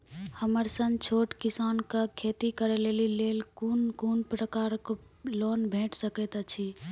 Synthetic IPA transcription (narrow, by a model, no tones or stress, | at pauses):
həməɾsə̃ŋɡt͡ʃʰoʈkisankəkʰet̪ikəɾɛlelilelkunkunpɾəkaɾko | lonbʱẽʈʰsəkɛt̪ət͡ʃʰi